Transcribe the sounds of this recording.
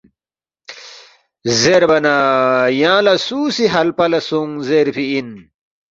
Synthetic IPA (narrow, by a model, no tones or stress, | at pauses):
zeɾbɐnajãːlɐsuːsiɦɐlpɐlɐsuŋzeɾpiin